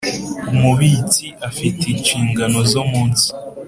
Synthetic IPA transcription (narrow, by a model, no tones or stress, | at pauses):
umuβit͡siʔafiteɲt͡ʃiːŋɡano̞zomuːnsi̥